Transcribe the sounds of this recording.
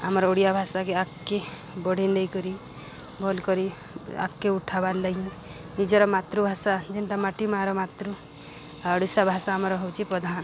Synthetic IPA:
a̰mɾoɽijabʱasakeakːe | bɔɽ̤ʱinɖejkɔɾi | bʱɔlkɔɾi | a̰kːeuʈʰabalːəɦĩ | nid͡ʒɔɾɔmat̪ɾubʱasad͡ʒenʈamaʈimaɾɔmat̪ɾu | ɽusabʱasaːmɾɔɦɔwt͡ʃʰipɔd̪ʱan

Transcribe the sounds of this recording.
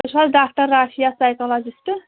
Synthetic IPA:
salɖak̚ʈʌɾːaʃʰijasajkɔlɔd͡ʒisʈ

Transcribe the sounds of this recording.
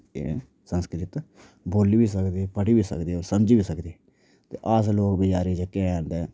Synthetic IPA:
ḛ | sə̃nskɾɪt̪ | boːliːbiːsəkd̪iːpəʈiːbiːsə̰kd̪iːoːɾsəmd͡ʒiːbiːsəkd̪iː | t̪ḛːʔaːsloːkbid͡ʒaːɾiːd͡ʒəkːeãːnd̪eː

